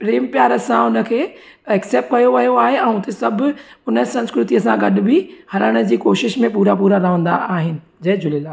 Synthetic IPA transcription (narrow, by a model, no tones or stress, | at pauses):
pɾeːmpjaːɾəsãʊnə̆kʰeː | ɛkseːp̚ʈ̚kɐjoʋɐjoaːɦeɛ̃ːʊt̪esɐbʱʊʊnəsɐ̃nskɾʊt̪ijəsãɡɐɗɪ̆bɪhɐɾəɽ̃əd͡ʑiːkoːʃɪʃmẽpuːɾapuːɾaɾaːɦə̃n̆d̪a̰ʔaːɦɪnɪ̆d͡ʑed͡ʑʊlela